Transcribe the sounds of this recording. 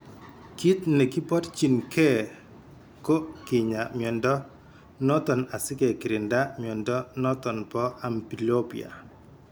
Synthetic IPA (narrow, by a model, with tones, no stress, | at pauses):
ki˦t̪nɛ˨ki˦pɔ˦tt͡ʃi˨nkɛ˦ | ko˦kɪ˨ɲa˨mjɔ˨ndɔ˦ | nɔ˦t̪ɔ˨na˨sɪ˦kɛ˨kɪ˨ɾɪ˨nda˦mjɔ˨ndɔ˦nɔ˦t̪ɔ˨npɔ˦ʔa˨mpi˨lo˦pḭ˨a̰˨